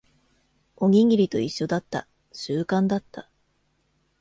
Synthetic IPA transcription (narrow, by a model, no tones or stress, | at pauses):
o̞ɡʲiŋɡʲiɾʲit̪o̞iɕːo̞d̪at̪ːa̰ | ɕɨːkãnd̪at̪ːa